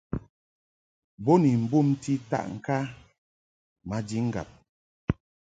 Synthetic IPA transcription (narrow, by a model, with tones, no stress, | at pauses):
bo˦ni˨m̩˨bu˦˨m˦ti˦ta̰˦ʔŋ̩˨ka˦ | ma˨di˦ŋ̩˦ɡa̰˨p̚